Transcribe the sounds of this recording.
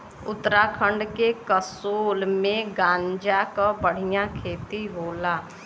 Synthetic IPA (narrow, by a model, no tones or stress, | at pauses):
ʊ̰t̪ːəɾakʰə̃ɳɖkekəsoːlmẽɡãːɲd͡ʒakabəɽ̤ɪjãkʰeːt̪iɦoːlaː